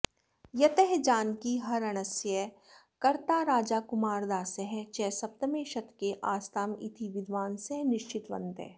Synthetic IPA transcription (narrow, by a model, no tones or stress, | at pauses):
jɐt̪ɛɦd͡ʒaːnkiɦɐɾɐɽ̃ɐsjə | kɐɾt̪aːɾaːd͡ʒaːkʊmaːɾd̪aːsɛɦɛt͡ʃɛːsɐp̚t̪əmeːʃɐt̪keʔaːst̪ʰaːmɪ̰t̪ʰiʋɪd̪ʋaːnsɛnɪʃt͡ʃɪt̪ʋɐ̰̃nt̪ɛ̰ː